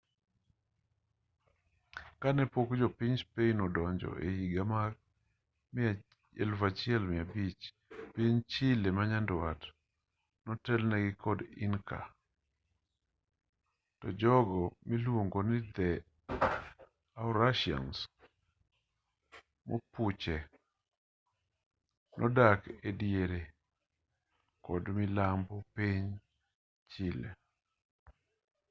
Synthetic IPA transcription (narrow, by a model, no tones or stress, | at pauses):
kanɛpokd͡ʒɔpɪɲspeinɔdɔɲd͡ʒɔ̰ʔḛhiɡamak | mɪa | ɛlvat͡ʃɪɛlmɪabit͡ʃ | piɲt͡ʃɪlemaɲandwat | nɔtɛlnɛɡɪkʰɔdɪ̰nkʰa̰ | tɔd͡ʒɔɡɔmilwoŋɡonɪd̪ɛ | aʊɾaʃɪɔ̰ns | moput͡ʃɛ | nʔɔ̰dakedjeɾe | kɔdmɪlambɔpiɲ | t͡ʃɪlḛ